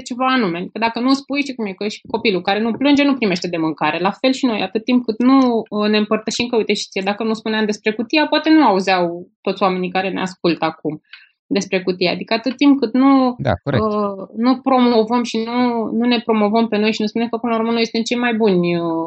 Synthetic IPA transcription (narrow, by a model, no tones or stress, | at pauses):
t͡ʃe̞vaːnume̞ad̪ikəd̪akənuspujʃikumjekəʃi̥ko̞pilukaɾe̞nuplɨnd͡ʒe̞nupɾime̞ʃt̪e̞d̪e̞mɨŋkaɾe̞lafe̞lʃino̞̰ja̰t̪ɨt̪̚ːimp̚kɨt̪nuəne̞ɨmpərt̪əʃimkəujt̪eʃi̥t̪sijed̪akənuspuneamd̪e̞spɾe̞kut̪iapoat̪e̞nuauzawt̪ot̪sʲwame̞nikaɾe̞neask̚ult̪əakum | d̪e̞spɾe̞kut̪iaad̪ikəat̪ɨt̪̚t̪ːimp̚kɨt̪nud̪a̰oənupɾo̞mo̞vəmʃinunune̞pɾo̞mo̞vəmpe̞no̞jʃinuspune̞mkəpɨnauɾmənuojest̪emt͡ʃe̞jmajbunʲə